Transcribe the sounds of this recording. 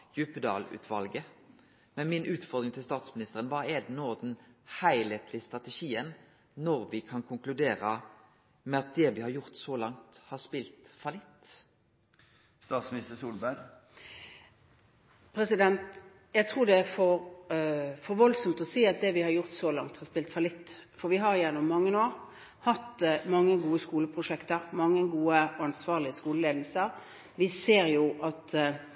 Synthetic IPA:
jʉpəd̪ɑ̰ːlʉ̰ːt̪ʰʋɑlɡə | mɛnmɪnʔʉːt̪fɔd̪ɾɪŋt̪ʰɪlst̪ɑːt̪smɪnɪst̪əʁənʋɑːɛd̪ɛnoːd̪ɛnhæɪleːt̪ʰlɪst̪ʁɑt̪əʃiːən | nɔɾʋɪkʰɑnkʰʊŋklʉd̪eːɾə | mɛɑt̪̚d̪ɛʋɪhɑɾjʊʁt̪sɔlɑŋt̪hɑːʁspɪlt̪fɑlɪt̪ː | st̪ɑːt̪smɪnɪst̪əsuːlbæɾ | pʰɾɛsɪd̪ɛnt̪ | jæɪt̪ʰɾuːd̪ɛæfɔɾ | fɔɾʋɔlsɔmt̪ɔsiːɑt̪̚d̪ɛʋɪhɑɾjʊɾt̪sɔlɑŋt̪hɑspɪlt̪fɑlɪt̪ːfɔɾʋɪɦɑɾjænːʊmːɑŋːənoːɾ | hɑt̪ːmɑŋːəɡuːəskuːləpʰʁʊʂɛkt̪əɾmɑŋːəɡuːəɔɑnsʋɑːʁlɪəskuːləleːd̪l̩səɾ | ʋɪseːɾjʊʔɑt̪

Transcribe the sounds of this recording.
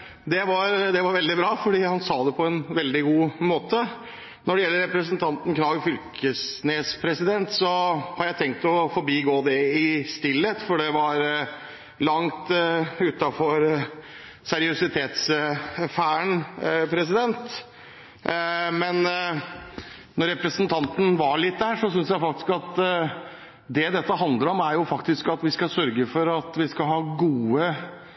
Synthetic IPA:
d̪ɛʋɑɾd̪ɛʋɑɾʋɛld̪ɪbɾɑːfɔɖiːhɑnsɑːd̪ɛpʰɔɛnʋɛld̪ɪɡuːmoːt̪ə | nɔɖɛjɛlːəɾɛpɾəsənt̪ʰɑnt̪n̩kʰnɑːʋɪfʏlkʰəsneːspʰɾɛsɪd̪ɛnt̪sɔhɑɾjæɪt̪ʰɛŋk̚t̪ɔfɔɾbiːɡoːd̪ɛɪst̪ɪlːət̪fɔɖɛʋɑɾ | lɑŋt̪ʉt̪ɑfɔɾ | sɛɾɪʊsɪt̪ʰeːt̪sfæːəɳpʰɾɛsɪd̪ɛnt̪ | mɛn | nɔɾɛpɾəsənt̪ʰɑnt̪ənʋɑɭɪt̪̚ːd̪æːʂɔsʏnsjæɪfɑk̚t̪ɪ̥skɑt̪ | d̪ɛd̪ɛt̪ːəɦɑnd̪ləɾɔmæɾjʊfɑkt̪ɪskɑt̪ʋɪskɑsœɾɡəfɔɾɑt̪ʋɪskɑɦɑːɡuːə

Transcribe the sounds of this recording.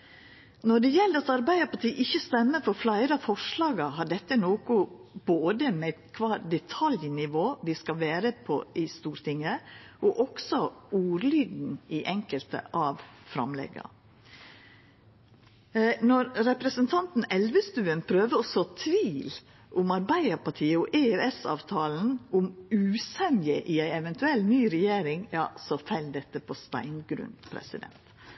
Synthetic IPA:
nɔɖɛjɛld̪ɑt̪ɑɾbæɪəpɑʈ̪ʰiːʔɪçːəst̪ɛmːəfɔɾflæɪɾəfɔʂlɑːɡɑɦɑɖɛt̪ːənoːkʊb̥oːd̪əmɛæt̪kʰʋɑːɾd̪ɛt̪ʰɑljnɪʋoːʋɪskɑʋæːɾəpʰɔ̰ʔɪst̪uːɾt̪ɪŋəʔɔʔɔksɔuːɾlyːd̪n̩ɪʔɛŋkəlt̪ə̰ʔɑʋfɾɑ̰mlɛ̰ɡɑ̰ | nɔɾɾɛpɾəsənt̪ʰɑnt̪n̩ɛlʋəst̪ʉːənpʰɾøːʋəɔsɔt̪ʰʋiːl | ʔʊmɑɾbæɪəɾpɑʈʰiːəɔʔeɛsɑ̰ːʋt̪ʰɑːln̩ʊmʉːsɛnjəʔɪæɪɛʋɛnt̪ʉɛlnyːɾɛjeːɾɪŋjɑ̰ːsɔfæɪld̪ɛt̪ːəpʰɔst̪æ̰ɪnɡɾʉ̰npʰɾɛ̰sɪd̪ɛ̰nt̪

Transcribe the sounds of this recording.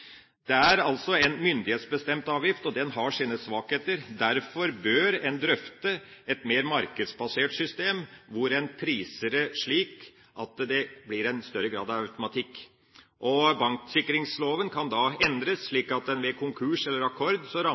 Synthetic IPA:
d̪̥ɛæɾɑlsɔɛnmʏnd̪ɪheːt̪sbəst̪ɛmt̪ɑːʋjɪft̪ɔd̪ɛnɦɑʂiːnəsʋɑːkheːt̪əɾd̪æɾfɔɾbøːɾɛnd̪ɾœft̪əɛt̪meːɾmɑɾkəd̪sbɑseːʈsʏst̪eːmʋʊɾɛnpʰɾiːsəɾəʂɭiːk | ʔɑt̪d̪ɛblɪɾɛnst̪œɾːəɡɾɑ̰ːd̪ɑʋœʉt̪ʊmɑt̪ʰɪkː | ʔɔbɑŋksɪkːɾɪŋsloːʋənkʰɑnd̪ɑɛnd̪ɾəsʂɭiːkɑt̪̚d̪ɛnʋɛkʰʊŋkʰʉːʂɛlːəɾɑkʰɔɾd̪sɔɾɑ

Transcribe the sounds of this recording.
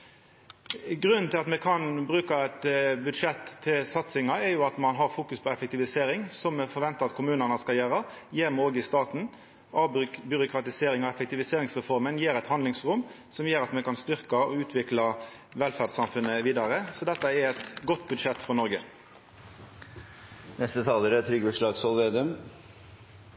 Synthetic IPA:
ɡɾʉnːnt̪ʰɪlɑt̪mɛkʰɑnbɾʉːkɑɛt̪bʉd̪ʂɛt̪ʰːɪlsɑt̪sɪŋɑɛɾjʊɑt̪mɑnɦɑɾfuːkʉspʰɔɛfɛk̚t̪ɪʋɪseːɾɪŋsɔmːɛfɔɾʋɛnt̪ɑɑt̪kʰʊmʉːnənəskɑljøːɾɑjeːɾmɛoːɡəɪst̪ɑːt̪n̩ | ɑbʏɾʊkʰɾɑt̪ɪseːɾɪŋɔɛfɛkt̪ɪʋɪseːɾɪŋsʁɛfɔɾmənjeːɾɛt̪hɑnd̪ɪŋsʁʊm | sɔmjeːɾɑt̪mɛkɑnst̪ʏɾkɑɔʉːt̪ʰʋɪklɑ | ʋɛlfæʁd̪sɑmfʉnːəʋiːd̪ɑɾəsɔd̪ɛt̪ːɑɛɾɛt̪ɡɔt̪ːbʉd̪ʂɛt̪ːfɔnɔɾɡə | nɛst̪ət̪ʰɑːləɾæt̪ʰɾʏɡəʂɭɑːɡsɔlʋeːd̪œm

